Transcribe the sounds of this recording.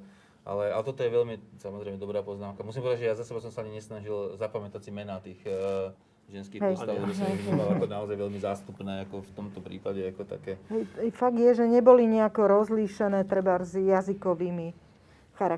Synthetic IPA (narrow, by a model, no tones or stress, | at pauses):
ʔa̰lɛa̰lɛt̪ɔt̪ɔjɛʋɛʎmisamɔzɾɛɪmɛd̪ɔbɾaːpɔznaːmkamusimpɔʋɛd̪ad͡ʒʒɛjazasɛbas̬ɔmsaaɲiɲɛsnaʒilzapamɛt̪asimɛnaːt̪iːɣ | ʒɛnskiɦɛjst̪asɛbɔlakɔnaɔzajʋɛʎmizaːst̪upnɛːakɔft̪ɔmt̪ɔpɾḭːpaɟɛakɔt̪a̰kɛːɦɛjɛjfaɡ̚d̪jɛʒɛɲɛbɔliɲɛakɔɾɔzliːʃɛnɛːt̪ɾɛbaɾzjazikɔʋiːmi | xaɾa